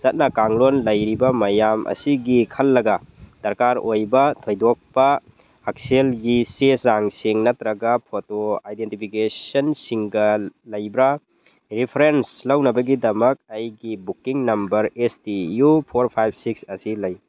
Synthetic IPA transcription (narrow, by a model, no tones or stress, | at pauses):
sɐt̚nɐkaŋlonlɐjɾibɐmɐjamʔɐ̰siɡikʰɐlːɐɡɐd̥ɐɾkaɾojbɐtʰojdok̚pɐː | k̚selɡisesaŋsiŋnɐtɾɐɡɐpʰotoajdentipʰikesɐnsiŋɡɐlɐjbɾa | ɾipʰɾenslɐwnɐbɐɡidɐmɐk̚ɐjɡibukːiŋnɐmbɐɾestijupʰoɾpʰajp̚ʰsik̚sɐsilɐj